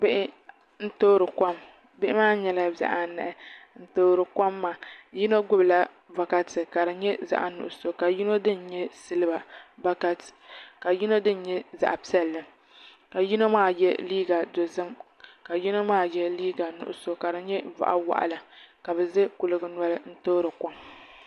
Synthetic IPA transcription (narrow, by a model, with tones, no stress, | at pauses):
bɪ˦ʔɪ˦ | n̩˦toː˦ɾɨ˨ka˦m | bɪ˦ʔɪ˦maː˦ɲɛ˨˦la˦ba̰˦ʔa˨nɛ̰˨ʔɛ˨n̩˦toː˦ɾɨ˨ka˦mːa˨ji˦no˦ɡʊ˦bla˦ | va˨ka˦tɨ˨ka˨ɾɨ˨ɲɛ˦za̰˦ʔa̰˨nʊ̰˨ʔʊ˨so˦ka˨ji˦no˦dɨ˦n̩˦ɲɛ˦sɨ˦lɨ˦ba˨ba˦ka˦tka˨ji˦no˦dɨ˦n̩˦ɲɛ˦za̰˨ʔa˨pi˦ɛ˦lːɨ˨ | ka˨ji˦no˦maː˦jɛ̰˦liː˦ɡa˨do˨zɨ˦m | ka˨ji˦no˦maː˦jɛ˦liː˦ɡa˨nʊ̰˨ʔʊ̰˨so˨ka˨ɾɨ˨ɲɛ˦va̰˨ʔa̰˦wa̰˨ʔa̰˨la˨ka˨bɛ˨zɨ˦kʊ˨lɨ˨ɡɨ˨n˦a˦lɨ˦n̩˦toː˦ɾɨ˨ka˦m